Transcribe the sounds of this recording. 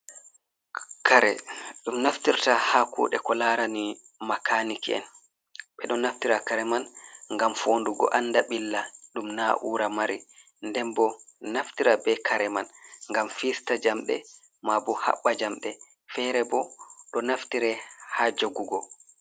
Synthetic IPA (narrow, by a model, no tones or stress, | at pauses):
kaɾɛ̰ɗumnaftiɾtahakṵːɗɛkɔlaɾani | makʰanikiɛ̰n | ɓɛɗɔnaftiɾakaɾɛmanŋɡamfoːnduɡɔ̰ʔanːdaɓilːaɗumnaʔuːɾamaɾi | ndɛmbɔnaftiɾabɛkʰaɾɛmanŋɡamfistad͡ʒamɗɛ̰ | mabɔha̰ɓːad͡ʒamɗɛ | fɛɾɛbɔɗɔnaftiɾɛhad͡ʒoɡuɡɔ